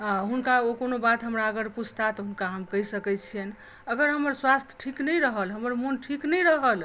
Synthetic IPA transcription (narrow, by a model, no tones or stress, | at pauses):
ãɦunkaokonobat̪ɦəmɾaəɡəɾpud͡ʒʰʱt̪at̪ɔɦunkaɦəmkəisəkɛt͡ʃʰien | əɡəɾɦəməɾswast̪ʰjə̥ʈʰiknəjɾəɦəlɦəməɾmunʈʰiknəjɾəɦəl